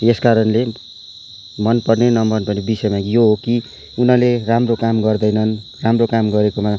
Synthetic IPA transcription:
eskaɾʌnle | mʌnpʌrnenʌmʌnpʌrnebisʌjmajoɦoki | unʌleramrokamɡʌrd̪ʌjnʌnramrokamɡʌɾekoma

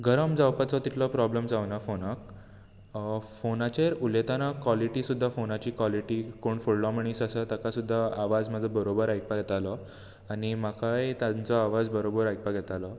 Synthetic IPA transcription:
ɡəɾəmd͡zawpət͡sɔt̪it̪lɔpɾɔbləmd͡zaʋnafonak̚ | fonat͡ɕeɾulet̪anakʋaliʈiːsud̪ʱːafonat͡ɕiːkʋaliʈiːkoɳfulɖɔmiɳisəsat̪akasud̪ʱːaaʋad͡zməd͡zʱəbəɾobəɾajk̚paɡʱɛt̪alɔ | añimakajt̪jãnt͡sɔaʋad͡zbəɾobəɾajk̚paɡʱɛt̪alɔ

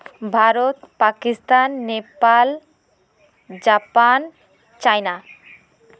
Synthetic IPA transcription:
bʱaɾot̪pakist̪anːepal | d͡ʑapan | t͡ɕajna

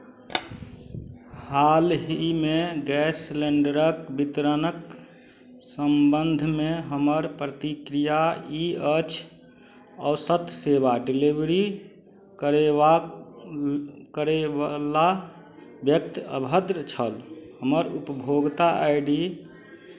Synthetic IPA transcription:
halɦimeɡɛsleɳɖəɾəkbit̪ɾənək | səmbənd̪ʱmeɦəməɾpɾət̪ikɾijaiət͡ʃʰ | ɔʊsət̪ʰseʋaɖilibɾi | kəɾea | kəɾeala | bjək̚t̪ə̰bʱəd̪ɾət͡ʃʰəlhəməɾupəbʱoɡt̪aʔaiɖi

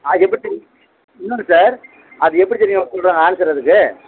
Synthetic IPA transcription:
aɛpːɐɽit | ɪnːɯŋɡɐsaːɾ | ɐðɯɛpːɐɽitɛnːɪŋɐkːɔɭɾaːŋɡɐaːnɐsɛɾːɐðɯkːɯ

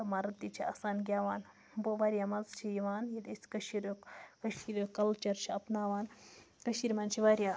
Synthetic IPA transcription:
ɐmaɾɐt̪it͡ʃʰia̰ːsaːnɡʲjaːʋaːn | boʋaːɾʲjamɐzt͡ʃʰijiʋaːnjɐd̪isʲkɐʃiɾokkɐʃiɾokɐlt͡ʃɐɾt͡ʃʰiɐpnaːʋaːn | kɐʃiɾmaːnt͡ʃʰiʋaːɾʲja

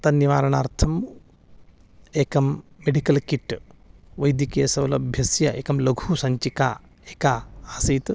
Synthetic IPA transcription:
t̪ɐniʋaːɾɐɳaːɾt̪ʰɐm | eːkɐmːeɖikɐlkiʈːʋɐjd̪ikeːsɐʋlɐbʱjɐsjɐʔeːkɐmlɐɡʱusɐɲt͡ʃikaː | eːkaːaːsiːt̪

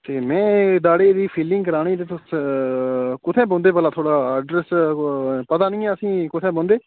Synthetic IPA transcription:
t̪eːmɛ̃ːɖ̪aːɽeːd̪iːpʰiːlɪ̃ŋɡkəɾaːɽiːt̪eːt̪ʊs | kʊt̪ʰɛ̃ːbɔ̃ːnd̪eːpəlaːt̪ʰoːɽaːəɖɾɛs | pət̪aːnĩːɛ̃ːəsĩːkʊt̪ʰɛ̃ːbɔ̃ːnd̪eː

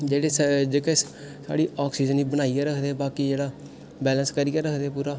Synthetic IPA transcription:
d͡ʒeːɽeːd͡ʒeːkɛːs | sa̰ːɽiːɔːksiːd͡ʒəniːbənaːijaːɾəkʰd̪eːbaːkiːd͡ʒeːɽaː | bɛːlənskəɾijaːɾəkʰd̪eːpuːɾaː

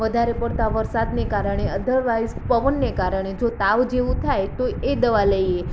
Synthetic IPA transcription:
ʋəd̪ʱaɾepəɽt̪aʋəɾsad̪nekaɾəɳ̃eəd̪əɾʋajzpəʋənːekaɾəɳ̃ed͡ʒot̪aʋd͡ʒeʋũt̪ʰajt̪oed̪əʋaləie

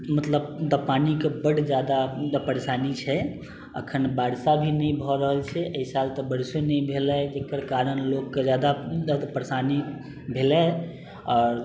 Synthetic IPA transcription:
mət̪ləbd̪əpanikebəɽ̤d͡ʒad̪apəɾesanit͡ʃʰɛ | ə̰kʰənbaɽsabʱinɛbʱɔɾəɦəlt͡ʃʰɛʔəisalt̪ɔbəɽsonɛjbʱelɛd͡ʒekəɾkaɾənlokːed͡ʒad̪ad͡ʒad̪apəɾesani | bʱelɛ | ɔːɾ

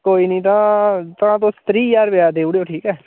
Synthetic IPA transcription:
koːiːnĩːt̪̬ãːt̪əãːt̪̬õːst̪ɾiːjaːɾʋɪaːd̪eːuɽejoːʈʰiːkɛː

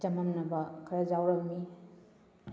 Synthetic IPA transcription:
tɐmɐmnɐbɐkʰɐɾɐd͡ʒawɾɐmni

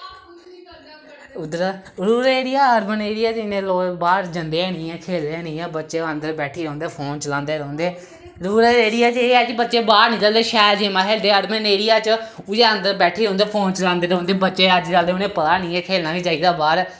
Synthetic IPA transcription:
ʊd̪əɾaɾuːɾeːɾɪjaːəɾməneːɾɪjaːt͡ʃɪnẽːloːbaːɾd͡ʒənd̪eːnĩːɛ̃ːkʰeːld̪eːnĩːɛ̃ːbətːʃeːənd̪əɾbɛːʈʰiːɾə̃ːnd̪eːpʰoːnt͡ʃəlãːnd̪eːɾə̃ːnd̪eː | ɾuːɾeːɾɪjaːt͡ʃeːɛːt͡ʃibətːt͡ʃeːbaːɾnĩːt͡ʃəld̪eːʃɛːɾd͡ʒeːmãːkʰeːld̪eːəɾməneːɾɪjaːt͡ʃʊd͡ʒeːənd̪əɾbɛːʈʰiːɾə̃õːnd̪eːpʰoːnt͡ʃəlãːnd̪eːɾɦõːnd̪eːbətːʃeːəd͡ʒt͡ʃald̪eːʊnẽːpət̪aːnĩːɛ̃ːkʰeːlnaːĩːt͡ʃaːiːd̪aːbaːɾ

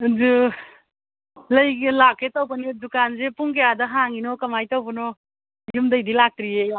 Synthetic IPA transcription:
zu | ləjklakʰetawpanidukanzepuŋkejadʌɦaŋinɔkɐmajtawpunɔ | jumdəjdilak̚tɾie

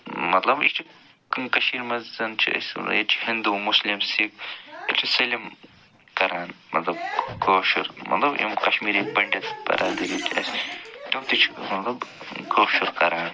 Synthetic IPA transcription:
mɐt̪lɐbist͡ʃʰi | kɐʃiːɾmɐzzɐnt͡ʃʰḭɐ̰set͡ʃʰi̥hind̪umʊslimsik̚it͡ʃʰiselim | kɐɾaːnmɐt̪lɐb̚koːʃuɾmɐ̰t̪lɐbḭmkɐʃmiːɾibɐɳɖet̪pɐ̰ɾaːd̪ilit͡ʃʰɐ̰sʈɐwt̪it͡ʃʰi̥mɐt̪lɐb | koːʃuɾkɐɾaːn

